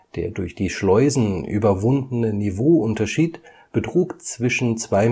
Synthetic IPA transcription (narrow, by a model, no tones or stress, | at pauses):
d̥ḛːɐdʊɐçd̥iːʃlɔʏzn̩ʔy̰ːbɐvʊndn̩ənivoːʔʊntɐʃiːt | b̥ətʁ̥uːkt͡sv̥ɪʃn̩t͡sv̥aɪ